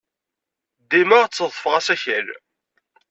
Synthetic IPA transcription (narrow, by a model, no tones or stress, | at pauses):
d̪iməʁt͡sːəðˤəfʁæsæçæl